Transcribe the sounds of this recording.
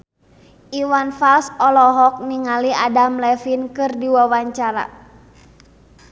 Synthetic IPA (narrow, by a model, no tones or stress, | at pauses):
ʔiwanfalsɔlɔɦɔk̚niŋaliadamlɛfinkɨrdiwawaɲt͡ʃaɾa̰